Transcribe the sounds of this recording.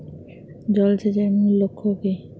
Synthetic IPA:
d͡ʑɔld͡ʑʰed͡ʑanilokʰːoke

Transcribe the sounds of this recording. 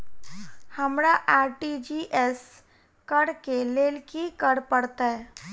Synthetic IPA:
həmɾaʔaɾʈid͡ʒiʔes | kəɽkeleːlkikəɽpəɽt̪aɦɛ

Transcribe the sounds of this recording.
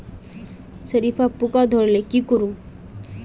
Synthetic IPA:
səɾifapukad̪ʱoɽlekikəɾũː

